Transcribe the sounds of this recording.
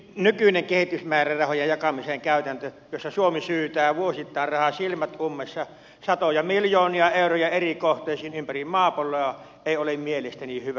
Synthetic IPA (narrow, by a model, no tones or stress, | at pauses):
nykyneŋkehit̪ysmæːrærɑhojejjɑkɑmiseŋkæˑyt̪ænt̪ø | josːɑsuomisyːt̪æːʋuosit̪ːˑɑˑerrɑhɑsilmæt̪ʔumːesːɑ | sɑt̪ojɑmiljoːniɑeˑurojɑerikoht̪ˑeːsiːnympærimmɑːpolːˑoɑ | eˑiolemmielest̪ænihyʋæ